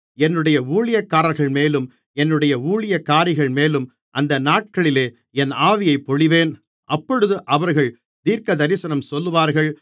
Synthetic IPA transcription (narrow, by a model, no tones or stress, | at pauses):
ɛnːɯɽɐjɐuːɭɪjɐkːaːɾɐlɣɐɭmeːlɯm | ɛnːɯɽɐjɐuːɭɪjɐkːaːɾɪɣɐɭmeːlɯm | ʔɐnd̪ɐnaːʈ̚kɐɭɪleː | ɛnaːʋɪjɐɪpːɔɻɪʋeːn | ʔɐpːɔɻɯðɯʔɐʋɐɾɣɐɭ | t̪iːɾkɐd̪ɐɾɪsɐnɐmsɔlːɯʋaːɾɣɐɭ